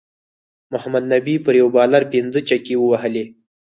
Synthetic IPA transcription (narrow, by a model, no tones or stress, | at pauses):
mʊhamad̪̚nabipəɾjawbɑlaɾpɪnd͡zət͡ʃakewəwahəle